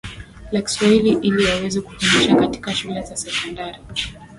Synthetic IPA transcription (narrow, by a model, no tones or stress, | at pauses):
laki̥swahiliʔiliwawɛzɛku̥fumiʃakati̥kaʃulɛzasɛkɔndaɾi